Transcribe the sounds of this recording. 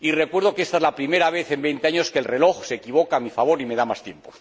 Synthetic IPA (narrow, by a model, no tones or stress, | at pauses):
ire̞kwe̞ɾð̞o̞keest̪aezlapɾime̞ɾaβ̞e̞θe̞mbe̞jnt̪eaɲo̞ske̞lre̞lo̞xse̞kiβ̞o̞kamifaβ̞o̞ɾime̞ðamast̪je̞mpo